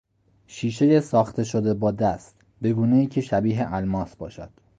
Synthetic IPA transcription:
ʃiːʃe̞jesɒːxt̪ʰe̞ʃod̪e̞bɒːd̪æst̪ | be̞ɡuːne̞iːcʰe̞ʃæbiːɦe̞ʔælmɒːsbɒ̰ːʃæd̪̥

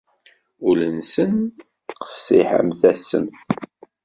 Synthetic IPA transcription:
ʊlənsən | qə̥sːiħə̰mθæsə̰mθ

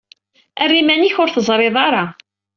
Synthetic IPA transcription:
ærːimæniçʊɾθəzˤɾˤeðˤɑɾˤɑ

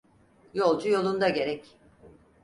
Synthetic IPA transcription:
jo̞lˠd͡ʒujo̞lˠund̪aɟe̞ɾɛc

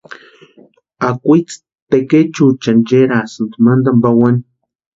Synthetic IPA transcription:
akʷit͡s | t̪eket͡ʃut͡ʃand͡ʒeɾasɨnt̪umand̪ambawani

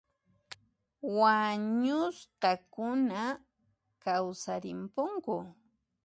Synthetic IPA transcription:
waɲʊstakʊna | kawsaɾɪmpʊŋkʊ

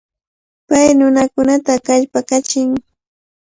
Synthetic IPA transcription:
pajnʊnakʊnat̪akaʎpakat͡ʃɪŋ

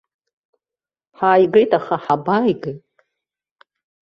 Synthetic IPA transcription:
ħaːjɡejtʼaχaħabajɡejtʼ

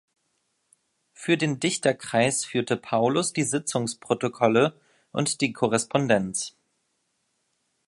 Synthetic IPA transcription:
fyːɐdeːndɪçtɐkʁ̥aɪsfyːɐtəpʰaʊlʊsd̥iːzɪt͡sʊŋspʁ̥otokʰɔlə | ʔʊ̰ntd̥iːkʰɔʁ̞ɛspʰɔndɛnt͡s

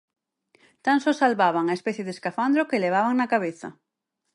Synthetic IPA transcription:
t̪ansosalβaβaŋaespɛθjeðeskafand̪ɾokeleβ̞aβaŋnakaβeθa̰

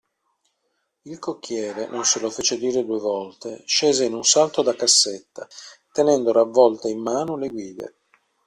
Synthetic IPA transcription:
ilkokːjɛːɾenʔonselofeːt͡ʃed̪iːɾed̪uevɔlt̪eʃeːzeinunsalt̪od̪akːasːet̪ːat̪enɛnd̪oɾavːɔlt̪eimːaːnoleɡwiːd̪ḛ

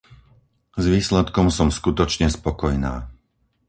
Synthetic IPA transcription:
zʋiːslɛt̪kɔmsɔmskut̪ɔt͡ʃɲɛspɔkɔjna̰ː

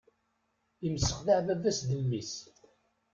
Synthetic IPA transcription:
iməsːə̥χðaʕvæðæsðəlːis

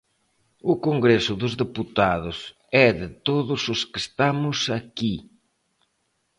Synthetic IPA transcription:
ʊkoŋɡɾesʊðʊzðeput̪aðʊs | ɛðɪt̪oðʊsʊskɪst̪amʊsaki

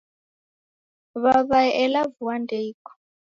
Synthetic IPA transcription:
βaβaʔɛlavuwandʱeikɔ̥

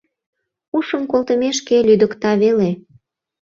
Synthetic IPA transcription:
uʃəmkolt̪əmeʃkelyd̪əkt̪ɑβele

